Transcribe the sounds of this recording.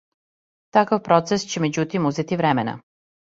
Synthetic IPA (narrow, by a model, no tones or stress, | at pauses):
t̪akaʋpɾot̪sest͡ɕemed͡ʑut̪imuzet̪iʋɾɛmena̰